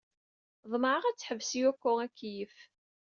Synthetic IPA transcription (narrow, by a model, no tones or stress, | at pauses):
ðˤməʕəʁæt͡sːħəvːsijækʷːʊʁækːjəf